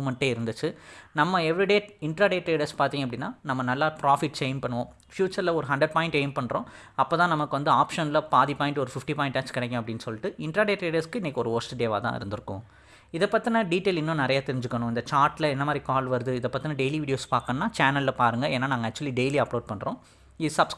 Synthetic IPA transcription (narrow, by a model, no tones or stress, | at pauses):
mɐɳʈːeːɪɾɯnd̪ɯt͡ʃːɯnɐmːɐɛʋɾiɖeːɪɳʈɾaːɖeːʈɾeːɖɐɾspaːɾt̪iːŋɡɐpːɐɽɪnːaːnɐmːɐnɐlːaːpɾaːfɪʈːt͡ʃeːɪnpɐɳːɯʋõː | fjuːt͡ʃɐɾlɐɔɾɯɦɐɳɖɾɐɖ̚paːɪ̃ɳʈeːɪmpɐɳːɾõː | ɐpːoːt̪ãːnɐmɐkːɯʋɐnd̪ɯaːpʂɐnlɐpaːðipaːɪ̃ɳʈɔɾɯfɪfʈipaːɪ̃ɳʈːaːt͡ʃkɪɽɛkːɐ̃ɐpːɐɽɪnːɯsɔlːɪʈːɯɪɳʈɾaːɖeːʈɾeːɖɐɾskɯɪnːɐkːɔɾɯoːsʈɖeːʋa̰ːt̪ã̰ːɪ̰ɾɯnd̪ɯɾɯkːʊ̰̃ | ɪðɐpːɐt̪ːɪnɐɖiːʈeːlɪnːõːnɪɾɐjaːt̪ɪɾɪɲd͡ʒɯkːɐɳʊ̃ɪnd̪ɐt͡ʃaːɾʈːɪlɐɛnːɐmaːd̪ɾikaːlʋɐɾɯðɯɪðɐpːɐt̪ːinɐɖeɪliʋiːɽɪjoːspaːɾkɐnnːaːt͡ʃaːnɐllɐpaːɾɯŋɡɐeːnːaːnaːŋɡɐɐk̚t͡ʃʊɐliɖejliɐploːɖ̚pɐɳːɾõː | isɐbs